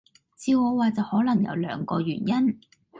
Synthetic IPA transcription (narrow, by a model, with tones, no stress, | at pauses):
t͡siː˧wɔː˨˧waː˨˧t͡sɐ˨whɔː˨˥lɐ˨˩ŋjɐ̰˨˧wlœ̰ː˨˧ŋkɔː˧jyː˨˩njɐ˥n